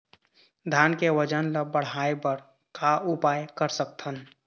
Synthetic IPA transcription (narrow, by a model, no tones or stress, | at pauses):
d̪ʱaːnkeʋəd͡ʒənləbəɽ̤aːebəɾ | kʰaʔʊpaːjkəɾsək̚t̪ʰən